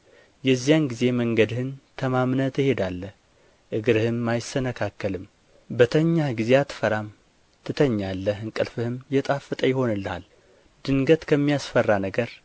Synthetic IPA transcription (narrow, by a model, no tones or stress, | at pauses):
jɛzːijanɡize̞məŋɡəd̪ɨhɨnt̪ʰəmamnət̪ɪhe̞d̪alːəh | ʔɨɡɾɨhɨmːajɪsənəkʰakːəlɨm | bət̪ʰəɲːaɡize̞at̪ʰːɨ̥fəɾam | t̪ʰɨt̪ʰəɲːalːəɦɨŋkʼɨlfɨhɨmjɛt̪ʼafɨt̪ʼəjɪho̞nɨlːa̰l | d̪̥ɨŋɡət̪kʰəmːijasfərːanəɡəɾ